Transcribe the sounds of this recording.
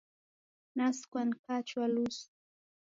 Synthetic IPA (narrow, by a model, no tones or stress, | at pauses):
naskwankat͡ʃwalus